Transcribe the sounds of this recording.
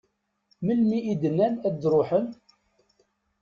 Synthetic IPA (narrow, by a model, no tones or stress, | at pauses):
məlmiʔid̪ənːænædɾˤoħən